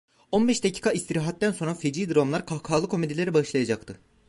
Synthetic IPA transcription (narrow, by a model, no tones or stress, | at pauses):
o̞nbɛʃd̪acʰi̥ːkʰaist̪ʰiɾaɦat̪ːænso̞nɾafed͡ʒiːd̪ɾomlˠaɾkʰakʰaːlˠɯkʰo̞med̪ilʲeɾibaʃlˠajad͡ʒak̚t̪ʰɯ